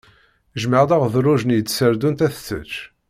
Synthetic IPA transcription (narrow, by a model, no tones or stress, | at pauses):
ʒməʁd̪aʁðɾˤʊʒnjət͡sːsəɾd̪unt̪æθt͡sːə̰t͡ʃː